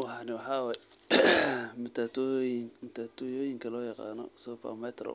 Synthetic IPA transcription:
wɑħɑːnɪwɑħɑːwaːj | mɪt̪ʰaːt̪ʰɔjŋmɪt̪ʰat̪ʰɔjoːjɪŋkʰɐlɔːjɑqɑ̰ːnɔ̰sɔpɐ̰mɛt̪ʰrɔ̰

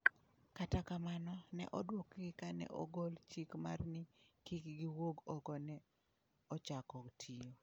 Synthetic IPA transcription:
katakamanɔnɛ̰ʔɔdwokɡɪkanɛ̰ʔɔ̰ɡɔlt͡ʃikmarnɪkikɡiwoɡɔɡɔnɛ | ɔt͡ʃakɔktʰijo

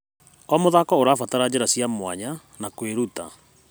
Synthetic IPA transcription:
ɔmoðakɔoɾaːfataɾad͡ʑeɾasjamwaɲa | nakweɾuta

